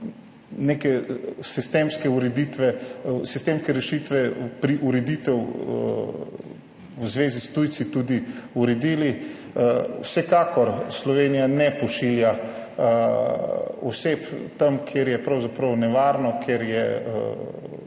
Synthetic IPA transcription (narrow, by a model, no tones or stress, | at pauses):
nekɛsist̪emskɛuɾɛd̪iːt̪ʋɛsist̪eːmskɛɾɛʃit̪ʋɛpɾiʔuɾɛd̪it̪ɛw | wzʋeːzist̪ujt̪sit̪ud̪iuɾɛd̪iːli | wsɛkaːkɔɾslɔʋeːnijanɛpɔʃilja | ɔsept̪ɐmkʰjeɾjɛpɾɐwzapɾɐwnɛʋaːɾnɔkʰeɾjɛ̰